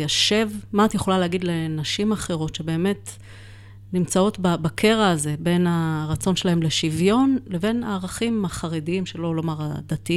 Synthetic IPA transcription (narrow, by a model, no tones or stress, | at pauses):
jaʃe̞vmaːt̪jeχo̞laleaɡidle̞naʃimaχe̞ʁo̞tʃe̞be̞ːme̞t | nimt͡sao̞tbabakʰe̞ʁaːze̞be̞naʁat͡so̞nʃe̞laɦe̞mle̞ʃivjo̞nle̞ve̞naːʁaχimaχaʁediimʃe̞lo̞lomaʁad̪ati